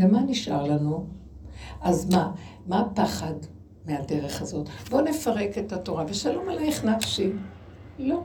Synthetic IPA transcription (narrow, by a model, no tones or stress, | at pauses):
lemaniʃʔaʁlanu | ʔazma | mapaχad | meade̞ʁe̞χazo̞t̪bo̞ne̞faʁe̞ke̞tato̞ʁaveʃalo̞malajeχnafʃim | lo̞